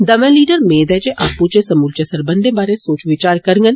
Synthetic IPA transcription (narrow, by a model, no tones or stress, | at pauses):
d̪əmẽːliːɖəɾmeːd̪ɛːd͡ʒeːʔaːpːut͡ʃeːsəmuːlt͡ʃesəɾbənd̪eːbaːɾeːsoːt͡ʃʋɪt͡ʃaːɾkəɾŋɡən